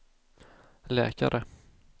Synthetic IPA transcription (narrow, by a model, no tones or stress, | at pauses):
lɛ̰ːkaɾʔə